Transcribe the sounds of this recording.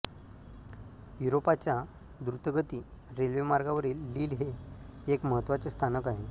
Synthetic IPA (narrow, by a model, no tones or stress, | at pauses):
juɾopat͡ɕja | d̪uɾut̪əɡət̪iːɾelʋemaɾɡaʋəɾiːlːiːlɦeekməɦət̪ːʋat͡səst̪ʰanəkaɦe